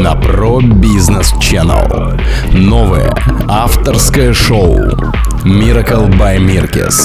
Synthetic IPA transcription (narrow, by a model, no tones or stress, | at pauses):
nɐprobʲiznəst͡ɕɛnə̰lˠ | novəjə̰ | aft̪ərskəjəʂoʊ | mʲiɾɐkəlˠbajmʲirkʲɪ̰s